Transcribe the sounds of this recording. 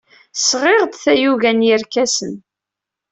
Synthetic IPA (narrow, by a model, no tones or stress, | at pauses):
sʁeʁd̪θæjuɣænjəɾkæsən